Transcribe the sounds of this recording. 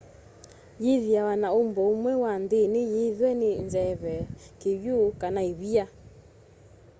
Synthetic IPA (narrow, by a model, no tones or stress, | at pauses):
jeðjawanaombɔomwɛwandenɪjeðwɛnenzɛβɛkeβjokanaeβia